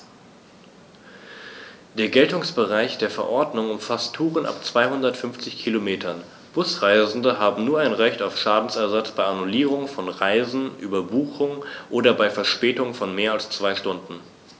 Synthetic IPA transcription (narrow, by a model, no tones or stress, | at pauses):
d̥eːɐɡɛltʊŋsb̥əʁaɪçd̥eːɐfɛɐʔɔɐdnʊŋʊmfastʰːuːʁənʔa̰pt͡sv̥aɪhʊndɐtfʏnft͡sɪçkʰilomeːtʰɐn | b̥ʊsʁaɪzn̩dəɦaːbm̩nuːɐʔaɪnʁɛçtaʊfʃaːdn̩sɛɐzat͡sb̥aɪanuliːʁ̞ʊŋfɔnʁaɪzn̩ʔyːbɐbuːxʊŋʔoːdɐbaɪfɛɐʃpɛːtʊŋfɔnmeːɐalst͡sv̥aɪʃtʊndn̩